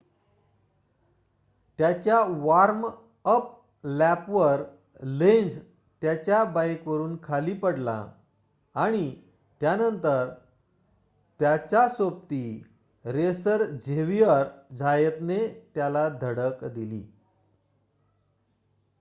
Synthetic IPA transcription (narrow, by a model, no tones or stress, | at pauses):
t̪jat͡ɕjaʋaɾm | əp̚ | læpʋəɾ | lẽnd͡z | t̪jat͡ɕjabajkʋəɾuːnkʰaliːpəɽla̰ː | ɽ̃i | t̪janənt̪əɾ | t̪jat͡ɕjasop̚t̪i | ɾesəɾd͡ʑʱeʋiəɾd͡zʱajet̪net̪jalad̪ʱəɽəkd̪ilḭː